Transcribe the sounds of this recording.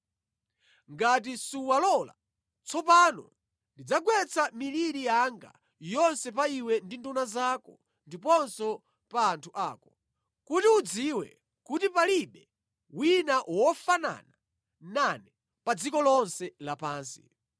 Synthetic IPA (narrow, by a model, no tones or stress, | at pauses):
ŋɡatisuwalɔla̰ | t͡sɔpaːnɔ̰ | ndid͡zaɡwɛt͡sʰamiliɾijaŋɡa̰ | jɔnsɛpaiwɛndindunazakɔ | ndipɔnsɔ | paːntʰuʔaːkɔ | kutiud͡ziwɛ̰ | kutipaliɓɛ | winaʔwɔfana̰na | nanɛ | pad͡zikɔlɔnsɛlapaːnsi̥̰